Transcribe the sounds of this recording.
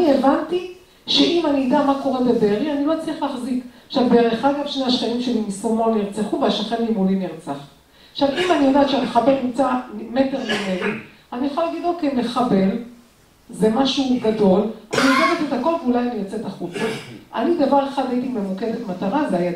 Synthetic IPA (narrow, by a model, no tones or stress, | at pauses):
nievant̪i | ʃeʔimanid̪eamako̞ʁebe̞beːʁianilo̞t͡sliχlaːχzikaʃavbeeʁeχaɡavʃnehaʃχanimʃe̞limisomoniʁt͡seχuveaʃaχenimuliniʁt͡saχ | aχʃavimanijodaːtʃeameχabe̞lnimt͡samete̞ʁmimedi | aniaχolaɡidlokejme̞χabe̞l | zemaʃuɡado̞lanioɡavetetako̞lveulajanijot͡se̞taχut͡saʔa̰nid̪avaʁeχad̪ajit̪ime̞muke̞d̪etmataʁazeaja